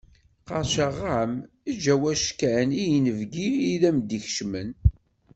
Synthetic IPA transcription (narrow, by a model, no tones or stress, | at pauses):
qɑɾˤʃəʁːam | id͡ʒæwæʃkːæʕnijənəvɡiiðæmd̪içʃmən